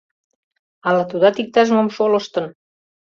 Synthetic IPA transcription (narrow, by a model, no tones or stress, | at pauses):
ɑlɑt̪ud̪ɑt̪ik̚t̪ɑʒəmə̆mʃolɤ̆ʃt̪ə̆n